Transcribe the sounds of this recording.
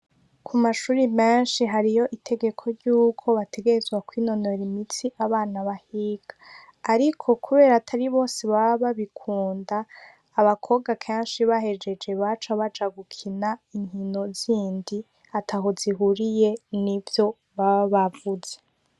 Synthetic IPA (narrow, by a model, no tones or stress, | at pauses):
kʰumaʃuːɾimeːnʃiɦaɾijo̞ʔitʰe̞ɡe̞kʰo̞ɾɟuːkʰo̞βate̞ɡe̞ɾezɡwakwiːno̞no̞ɾimit͡siʔaβaːnaβahiɡ̥ḁː | ɾikʰo̞kʰuβe̞ːɾatʰaɾiβo̞ːse̞βaβaβaβikʰuːndaː | βakʰo̞ɡakʰaːnʃiβaɦe̞d͡ʒe̞d͡ʒe̞βat͡ʃaβad͡ʒaɡukʰinaiɲ̥hino̞ziːndi | atʰahoziɦuɾijenivjo̞ | βaβavuz̥e